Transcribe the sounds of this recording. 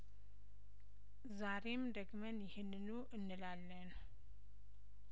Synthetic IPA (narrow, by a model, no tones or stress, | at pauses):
zaɾe̞md̪əɡmənjɪhɪnːɨnuʔɨnːɨlalːən